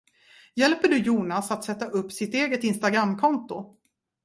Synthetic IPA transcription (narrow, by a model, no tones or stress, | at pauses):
jɛlpəɖɵjuːnasat̪sɛt̪ːaʔɵpːsɪt̪eːɡət̪ɪnst̪aɡɾamːkʰɔnt̪ʊ